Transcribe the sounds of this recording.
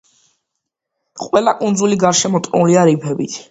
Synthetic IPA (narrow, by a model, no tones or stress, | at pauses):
qʼwɛlˠakʼund̪zuliɡaɾʃɛmɔt̪ʼnuliaɾipʰɛbḭt̪ʰ